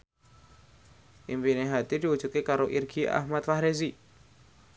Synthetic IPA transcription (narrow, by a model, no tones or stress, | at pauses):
ʔimpineɦat̪id̪̥i̤ud̥d͡ʒ̥ṳkekaɾoʔirɡ̥ia̰hmat̪fahɾes̬i